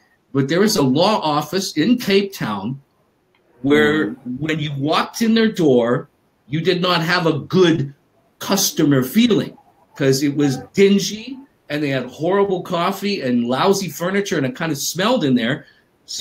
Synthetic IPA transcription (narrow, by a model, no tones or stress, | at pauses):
b̥ʌt̪̚ðə˞ɨzəlɔʔɔfɨsɪ̃nkʰeɪp̚tʰãʊ̃n | wə˞wɨ̃njɨwɔk̚tʰɨ̃nðə˞dɔɹ | jɨdɨdⁿnət̚ɦɨvəɡʊd̚ | kʰʌstɨmə˞filˠɪ̰̃ŋ | kʰʌzɪt̚wʌzdɪ̃nd͡ʒi | ɨ̃nðeɪɨd̚hɔɹəbl̩ˠkʰɔfiɨ̃nlaʊzifɜ˞nɨt͡ʃə˞ɨ̃nɨt̚kʰãɪ̃ndɨsmɛlˠdɨ̃nðə˞ | s